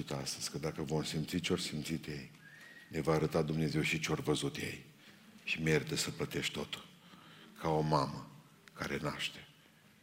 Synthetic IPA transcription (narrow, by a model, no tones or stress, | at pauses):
it̪ast̪əz̥ʲkəd̪akəvo̞msimt̪sit͡ʃeo̞rsimt̪sit̪jejne̞vaːɾət̪ad̪umne̞ze̞wʃit͡ʃeo̞rvəzut̪jḛj | ʃimerit̪əsəplət̪e̞ʃʲt̪o̞t̪ulkʰao̞mamə | kaɾe̞na̰ʃt̪e